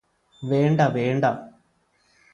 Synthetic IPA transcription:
ʋeːɳɖaʋeːɳɖa

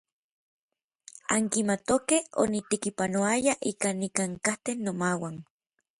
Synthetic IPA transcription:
aŋkimat̪okeho̰nit̪ekipanoajaʔikanikaŋkaht̪enːomawan

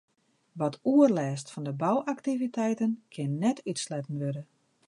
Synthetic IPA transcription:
ʋɔtʰuərlɛːstfɔndəbawʔaktivitʰɛjtənkʰɪnːɛtʰytslɛtən̩ʋødə

